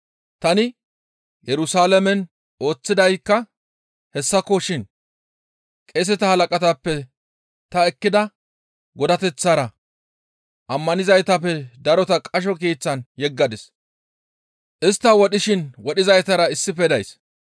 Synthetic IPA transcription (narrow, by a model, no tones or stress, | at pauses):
t̪ɐnɪ | jɛɾʊsaːlɐmɛn | o̞ːt͡sːɪd̪ɐjkːɐ | hɛsːɐkɔʃɪn | kʼes̬ɛt̪ɐhɐlɐkʼɐt̪ɐpːɛ | t̪ɐɛkːɪd̪ɐ | ɡɔd̪ɐt̪ɛt͡sːaːɾɐ | ʔɐmːɐnɪzɐjt̪ɐpːɛd̪ɐɾɔt̪ɐkʼɐʃ̬ɔkeːt͡sːɐnjɛɡːɐd̪ɪs | ʔɪst̪ːɐwɔɗɪʃɪnwɔɗɪzɐjt̪ɐɾɐɪsːɪpɛd̪ɐjs